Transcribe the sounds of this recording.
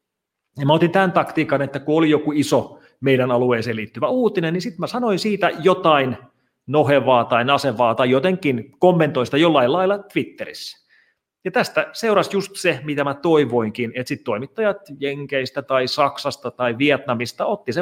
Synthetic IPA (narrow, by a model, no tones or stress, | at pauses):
jɑmæot̪int̪ænt̪ɑkt̪iːkɑnet̪ːækuolijokuiso | meidænɑlueːselit̪ːyʋæuːt̪inennisit̪mæsɑnoinsiːt̪æjot̪ɑin | noɦeʋɑːt̪ɑinɑseʋɑːt̪ɑijot̪eŋkːinkomːent̪ˑoinsit̪æjolːɑilɑilːɑt̪ʋit̪ːeɾḭsːæ̥ | jɑt̪æst̪æseurɑsjust̪semit̪æmæt̪oiʋoiŋkinet̪sit̪t̪ːoimit̪ːɑjɑt̪jeŋkeist̪æt̪ɑisɑksɑst̪ɑt̪ɑiʋiet̪nɑmist̪ɑot̪ːise